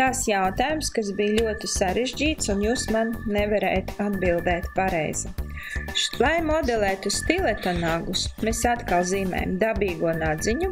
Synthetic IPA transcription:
t̪asjawt̪aːjumskas̬bijlʲuɔt̪isaɾeʒd͡ʒʲiːt̪sunjuːsmanːɛvaɾɛ̰jt̪ad̪bilˠd̪ɛːt̪paɾɛ̰jz̥i | lˠajmɔd̪ɛlˠɛːt̪ust̪ilˠɛt̪anaɡusmesat̪kalˠziːmɛ̰ːj̰md̪abiːɡuɔnad̪ziɲu

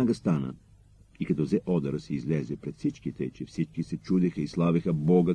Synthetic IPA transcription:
aɡɐst̪anə̰ | ikɐt̪ɔzɛʔɔd̪ɐɾəsɛizlɛzɛpɾɛt̪fsit͡ʃkit̪ɛt͡ʃɛfsit͡ʃkisɛt͡ʃud̪ɛxəislˠavixəbɔɡə

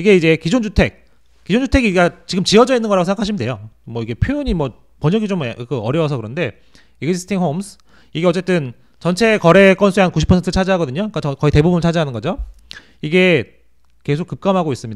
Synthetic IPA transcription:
iɡe̞id͡ʑe̞kid͡ʑond͡ʑutʰe̞k̚ | k͈id͡ʑond͡ʑutʰe̞ɡiɡat͡ɕiɡɯmt͡ɕiʌd͡ʑʌinːɯnɡʌɾaɡos̬ʰeŋɡakʰaɕʰimde̞jomwʌiɡe̞pʰjojoɲimwʌ | pʌɲʌɡit͡ɕomkɯʌɾjʌws̬ʰʌkɯɾʌnde̞ | eɡd͡ʑisʰɯ̥tʰiŋɦomsʰ | iɡe̞ʌt͡ɕ͈e̞t͈ɯn | t͡ɕʌnt͡ɕʰe̞kʌɾe̞k͈ʌnsʰueankuɕʰipʰʌntʰɯɾɯt͡ɕʰad͡ʑaɦaɡʌdɯɲoik͈at͡ɕʌkʌite̞bubunɭt͡ɕʰad͡ʑaɦanɯnɡʌd͡ʑo | iɡe̞ | ke̞sʰok͈ːɯp̚k͈amɦaɡois͈ɯmɲida

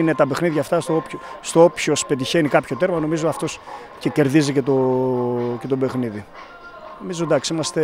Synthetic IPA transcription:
ine̞t̪ɐbexniðʝɐft̪ɐst̪oopço | st̪oopço̞spe̞t̪içenikɐpço̞t̪e̞ɾmɐno̞mizo̞ɐft̪o̞s | cece̞ɾðizicet̪o̞ | ce̞t̪o̞be̞xniði | nomizod̪ɐksiimɐst̪e̞

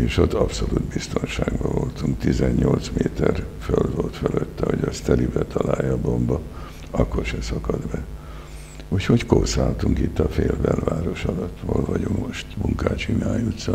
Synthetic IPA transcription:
eːʃot̪ːɒpso̞lud̪bist̪o̞nʃaːɡbɒvo̞lt̪uŋkt̪izɛɲɲolt̪smeːt̪ɛrfølvolt̪føløt̪ːɛhoɟɒst̪ɛlibɛt̪ʰɒlaːjːɒbombɒ | ɒkːo̞rʃɛsɒkɒd̪bɛ | ucho̞ckorsaːlt̪uŋkit̪ːɒfeːlbɛlvaːɾo̞ʃɒlɒt̪ːroːlvɒɟoŋmoʃt̪muŋkaːt͡ʃinaːjut̪sɒ

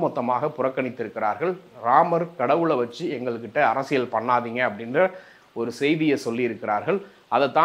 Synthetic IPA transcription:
mɔt̪ːɐmaːɣɐpʊrɐkːɐɳɪt̪ːɪɾɯkːɪɾaːɾɣɐɭɾaːmɐɾkɐɽɐʋɯɭɐʋɐt͡ʃːɯɛŋɡɐɭɯkːɪʈːɐɐɾɐsɪjɐlpɐɳːaːðiːŋɡɐɐpːɐɽɪndrɐ | ɔɾɯsɛjðɪjɐsɔlːɪɪɾɯkːɪɾaːɾɣɐɭ | ɐðɐt̪ːãː

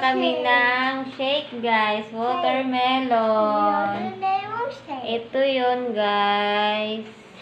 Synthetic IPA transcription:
kɐmɪlaŋʃejk̚ɡajswoːt̪ɛɹmɛlo | ʔɛt̪ojonɡajs

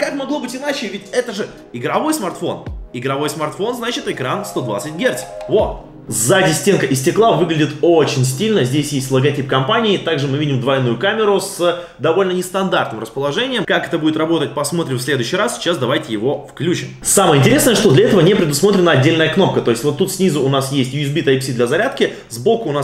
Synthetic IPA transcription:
kakmɐɡlˠo̞bɨtʲɪnat͡ɕɪvʲɪtʲɛt̪əʐɨ | ɪɡɾɐvo̞jsmɐrt̪fo̞̰nɪɡɾɐvo̞jsmɐrt̪fo̞nznat͡ɕɪt̪ɨkɾanst̪o̞d̪va̰t̪sɨtʲɡʲert̪sʲvo̞ | zadʲɪsʲtʲenkəʔɪsʲtʲɪklˠavɨɡlʲɪdʲɪt̪ot͡ɕɪnʲsʲtʲilʲnəzʲdʲesʲjesʲtʲlˠəɡɐtʲip̚kɐmpanʲɪːt̪aɡʐɨmɨvʲidʲɪmd̪vɐjnujʊkamʲɪɾʊs | d̪ɐvo̞lʲnənʲɪst̪ɐnd̪art̪nɨmɾrəspəlˠɐʐɛnʲɪjəmkakɛt̪əbudʲɪt̪ɾɐbo̞t̪ət̚ʲpɐsmo̞t̪ɾʲɪmfsʲlʲe̞d̪ʊɕːɪjɾassʲɪ̥t͡ɕasd̪ɐvajtʲɪjɪvo̞fklʲut͡ɕɪmsaməjəɪnʲtʲɪɾʲesəjəʂt̪o̞d̪lʲɐɛt̪əvənʲepɾʲɪd̪ʊsmo̞t̪ɾʲɪnəɐdʲːelʲnəjəkno̞p̚kət̪o̞ɪsʲtʲvo̞t̪ːut̪sʲnʲizʊʊnasjesʲtʲjʊɪzbʲit̪ɐjpsʲid̪lʲɐzɐɾʲat̪kʲɪ | zbokʊʊnas

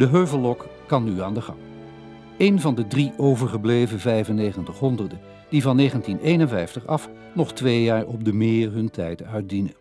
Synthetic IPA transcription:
dəɦøɥvəlˠɔk | kɑnːyaːndəχɑ̰ŋ | ejnvɑndədriʔowvəɹχəblejvəvɛjvənejχəntəχɦɔndərdə | d̥ivɑnːejχəntinʔejnənvɛjftəχɑf | nɔχtʋejjaːɹɔb̚dəmɪːrɦɵntʰɛ̰jtœɥt̚dinə

